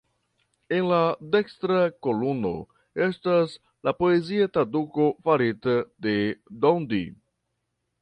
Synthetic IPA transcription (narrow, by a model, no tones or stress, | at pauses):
e̞nlade̞kstɾako̞luno̞̰ | e̞stas | lapo̞e̞ziat̪ɾaduko̞faɾitade̞dondḭ